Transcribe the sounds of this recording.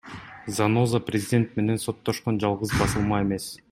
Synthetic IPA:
zano̞zaprʲɪzʲɪdʲe̞nt̪me̞ne̞nso̞t̪ːo̞ʃqo̞nd͡ʒɑlˠʁɯzbɑsɯlˠmɑe̞me̞s

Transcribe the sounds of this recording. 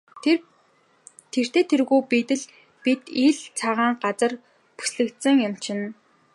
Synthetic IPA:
t̪ʰer̥t̪eːt̪ʰerɣujpit̪ɘ̆ɮ | pit̪iːɮt͡sʰaʁaːŋɢat͡sə̆r | pu̥sɮɘ̆kt̪sɘ̆ŋjʊm̥t͡ɕʰɪ̆n

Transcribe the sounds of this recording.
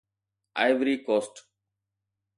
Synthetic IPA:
a̰ɪʋɾiːkoːsʈ

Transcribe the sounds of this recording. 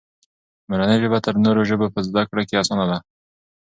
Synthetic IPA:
maɾanəjʒəbat̪əɾnoɾoʒəbopəzd̪akɽokeasɑnad̪a

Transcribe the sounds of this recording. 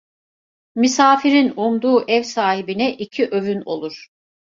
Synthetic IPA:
misaːfiɾinumd̪uːʔɛvsaːɦibinɛʔicʰiʔøvyno̞̰lˠuɾ̥

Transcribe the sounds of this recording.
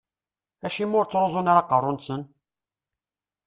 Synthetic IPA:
æʃimːʊɾt͡sːɾozˤonaɾaqərˤːʊnsən

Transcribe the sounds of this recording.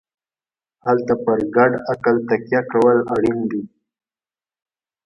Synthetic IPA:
halt̪apəɾɡaɖakalt̪akjakawəlaɽind̪i

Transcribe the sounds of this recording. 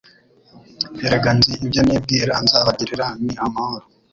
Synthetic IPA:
heɾeɡanziibɟaneːb̚diɾanzaβaɟiɾiɾaniamahoɾo

